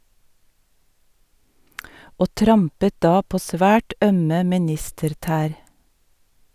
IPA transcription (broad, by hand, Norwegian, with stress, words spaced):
ˈoː ˈtɾɑmpə ˈdɑː ˈpoː ˈsʋæːʈ ˈœmə mɪˈnɪstəɾˌtæːɾ